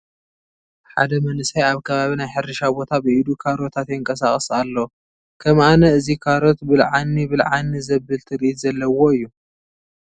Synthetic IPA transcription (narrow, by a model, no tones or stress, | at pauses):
ħa̰d̪ɐmɐnɨsajaβkʰɐβaβinajħɨɾɨʃabo̞t̪ʰabɨʔid̪ukʰaɾo̞t̪ʰat̪jɨŋkʼɐsaχʼɐsalːo | kʰɐmanɐɨzikʰaɾo̞t̪bɨlʕanːibɨlʕanːizɐβːɨlt̪ʰɨɾʔit̪zɐlːɐwo̞ɨjːu